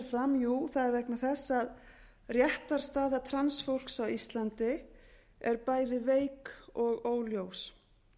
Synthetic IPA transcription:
ɾfɾamjuθaðɛɾvɛknḁθɛsːað | rjɛht̪aɾ̥st̪aːðat̪ʰɾansfowl̥ksawist̪lant̪ɪ | ɛɾpaːjðɪveːjkɔɣoːwljows

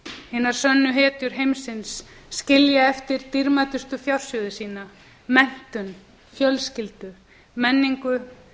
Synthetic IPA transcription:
hɪːnaɾ̥sœnːʏɦɛːt̪ʏɾ̥ɦejmsɪnsːcɪljaɛft̪ɪɾt̪iɾmat̪ʏst̪ʏfjawɾ̥sjœðɪsiːna | mɛn̥t̪ʏn | fjœlscɪlt̪ʏ | mɛnːiŋkʏ

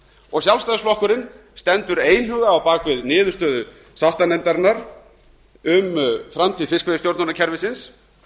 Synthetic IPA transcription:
ɔɣsjawlst̪aðsflɔhkʏɾɪn | st̪ɛnt̪ʏɾeːjnhʏɣðaːwpaːkvɪðnɪːðʏ̥ɾst̪œːðʏ | sawht̪anɛnt̪aɾnːaɾ̥ | ʏmfɾamt̪ʰiːðfɪskvɛðʏst̪jowɾt̪nanaɾcʰɛɾvɪsɪns

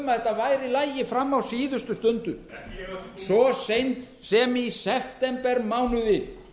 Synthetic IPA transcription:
maθɛht̪ːavajɾɪlaːjjɪfɾamːawsiːðʏst̪ʏst̪ʏnt̪ʏ | sɔsejnt̪ | sɛmisɛft̪ɛmpɛɾmaːwnʏðɪ

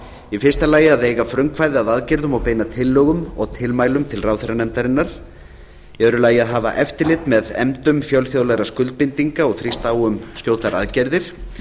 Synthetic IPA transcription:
ɛfɪrst̪alaːjɪaðejɣafɾœŋkʰvajðɪaðaðcɛɾðʏmawpeːjnat̪ʰɪlːœːɣʏmɔɣt̪ʰɪlmaːjlʏmt̪ʰɪlraːwθɛɾanɛmt̪aɾɪnːaɾ̥ | jɛœɾʏlaːjɪaðɦaːva̰ʔɛft̪ɪɾlɪt̪mɛðɛ̰mt̪ʏmfjawlθjoðlaɣɾaskʏlt̪̚pɪnt̪iŋkaɔɣθɾist̪aːwʏmskcjoːwt̪aɾa̰ðcɛɾðɪɾ̥

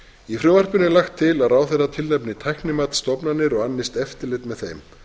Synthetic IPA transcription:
ifɾʏːvar̥pʏnɪlaxt̪ʰːɪlaðraːwθɛrat̪ʰɪlnɛpnɪt̪ʰajknɪmaːt̪st̪ɔpnanːɪɾɔɣanːɪst̪ɛft̪ɪlɛt̪mɛðθejm

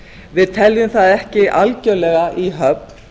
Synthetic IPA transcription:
vɪðt̪ʰɛljʏmθaðɛhcɪʔalcœlɛɣaʔiɦœp̚n̥

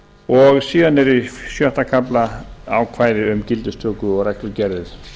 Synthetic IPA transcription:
ɔɣsiːðanɛɾisjœht̪akʰaplaawkʰvaːjðɪʏmcɪlt̪ʏst̪ʰœːkʏɔɣɾɛklʏɾcɛɾðɪð

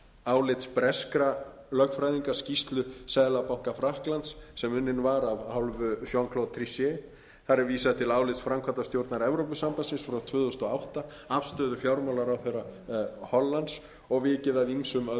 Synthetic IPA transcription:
aːwlɪt̪spɾɛskɾa | lœkfɾajðiŋkascist̪lʏsɛːðlapawŋ̥kafɾahklant̪sːɛmʏnːɪnvaɾavhawlvʏsjɔwŋkʰlowt̪t̪ʰɾisjɛ | θaɾɛɾviːsaðɪt̪ʰɪlaːwlɪt̪sfɾamkʰvat̪ast̪jowɾt̪naɾɛvɾowpʏsampasɪnsfɾawt̪ʰvʏːθost̪ɔawht̪a | afst̪œːðʏfjawɾmawlaɾawθejrːahɔlːant̪s | ɔɣvɪcɪðaðimsʏmœ

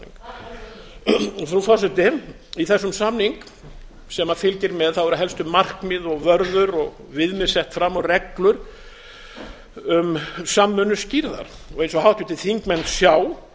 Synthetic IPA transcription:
ɔθɾufasɛt̪ɪ | iθɛsːʏmsamniŋk | sɛmafɪlcɪɾmɛðθawvɛɾaɦɛlst̪ʏmːar̥kmɪðɔɣvœɾðʏɾɔɣ | vɪðmɪsɛht̪fɾamːɔrɛklʏɾ̥ | ʏmsamːʏnʏsciɾða̰ɾ̥ | ɔɣejns̬ɔɦawht̪ʏt̪ʰɪ̥θiŋkmɛnt̪sjaːw

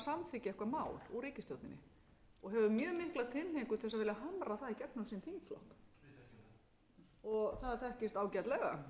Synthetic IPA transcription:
samθɪcːɪɛhkvaɾmaːwluɾiːcɪst̪jowt̪ɪnɪ̰ | ɔɣɦɛvʏmjœːmɪhklat̪ʰɪlhejkʏθɛs̬ːavɪːlaɦamɾaθaðicɛknasint̪ʰiŋkflɔ̰hk | ɔɣθaðθɛhcɪst̪aːwcɛt̪lɛɣa̰

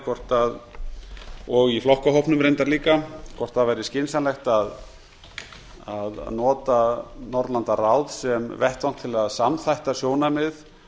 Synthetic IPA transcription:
kʰvɔr̥t̪að | ɔɣiflɔhkaɦɔpnʏmɾejnt̪aɾliːkakʰvɔr̥t̪avajɾɪscɪnsanlɛxt̪að | aða̰ðnɔːt̪anɔɾt̪lant̪arawðsɛmvɛht̪awn̥t̪ʰɪlaðsamθajht̪asjoːwnamɪð

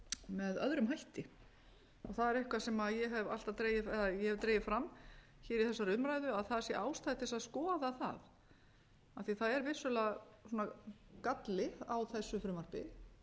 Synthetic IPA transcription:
mɛðœðɾʏmɦajht̪ɪ | ɔ̰ɣθaðɛɾɛhkvasɛmaðjɛɦɛval̥t̪at̪ɾeːjɪfɛðajɛhɛvt̪ɾejɪfɾamː | çiːɾiθɛsːaɾʏmɾajðʏaðθaðɛɾsjɛʔaːwst̪ajɪt̪ʰːɪsaðskɔːðaθa̰ð | aθiθaðɛɾvɪsʏlɛasɔːnakat̪lɪawθɛsːʏfɾʏmar̥pɪ̰

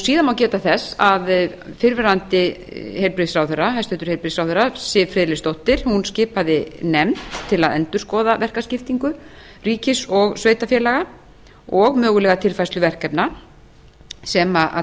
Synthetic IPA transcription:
siːðanmawcɛːt̪aθɛsːaðfɪɾvɛɾant̪ɪhejlpɾɪsɾawθɛrːaɦajst̪ʏt̪ʏɾ̥hejlpɾisɾawθɛrasɪvfɾɪːðlɪst̪owht̪ɪɾ̥hunscɪːpaðɪnɛmt̪ʰːɪlaðɛnt̪ʏ̥skɔːðavɛr̥kascɪft̪iŋkʏ | riːcɪsɔɣsveːjt̪afjɛːlaɣa | ɔɣmœːɣʏlɛːɣat̪ʰɪlfajslʏvɛr̥kɛpna | sɛmaʔa̰

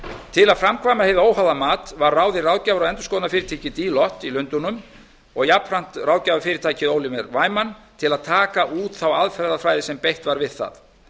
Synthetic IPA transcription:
t̪ʰɪlaðfɾamkʰvaːmahejvðoːwhawðamaːt̪vaɾːaːwðɪraːwcaːvaɾɔðɛnt̪ʏ̥skɔːwtnafɪːɾɪt̪aːjcɪt̪iːlɔht̪ilʏnt̪ʊnʏm | ɔɣjapɾan̥t̪raːwcaːvaɾfɪːɾɪ̥t̪ʰaːjcɪðoːwlɪmɛɾvaːjmant̪ʰɪlaðt̪ʰaːkaʔuːt̪θawaðfɛɾðafɾaːjðɪsɛmpejht̪vaɾvɪðθa̰ð

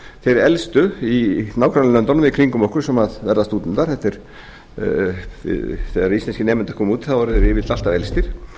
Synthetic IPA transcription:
θejɾɛlst̪ʏinaːwkʰɾalnœnt̪ɔnʏmvɪðkʰɾiŋkʏmɔhkʏɾ̥sɛmaðvɛɾðast̪uːt̪ɪnt̪aɾ̥θɛht̪ɪɾ̥ | vɪ̰ðθɛɣðaɾist̪ɛnscɪnɛːmɪnt̪ḁkʰɔːmuːt̪ɪ̥θavɔɾθɛɾɪːvɪt̪lalt̪avɛlst̪ɪɾ̥

